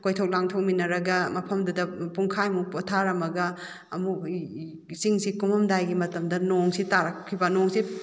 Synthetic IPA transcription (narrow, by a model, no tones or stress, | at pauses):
kojtʰowk̚laŋtʰok̚minɐɾɐɡɐmɐpʰɐmdudɐpuŋkʰajmupɔtʰaɾɐmɐɡɐː | mu | siŋsikumɐmdajɡimɐtɐmdɐnoŋsitaɾakʰːibɐnoŋsi